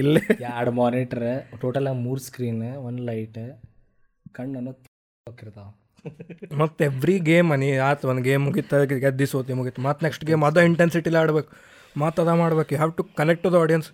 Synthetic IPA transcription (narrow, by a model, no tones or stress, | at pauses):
ilːejaːɽmaːniʈɐɾeʈoːʈɐlaːɡmuːɾskɾiːneʋɐnlɐjʈ | kɐɳɐnːut̪i | okːiɾt̪a | mɐt̪ːeʋɾiɡeːmɐniaːt̪ond̪ɡeːmːuɡit̪ːɐkɡed̪isot̪imuɡit̪ːumɐt̪neksʈɡeːmɐd̪oiɳʈensiʈilaaːɽbeːku̥ | maːt̪ːɐt̪aːmaːɽbeːkjuɦɛːʋʈukɐnek̚ʈod̪ɐaːɖijɐns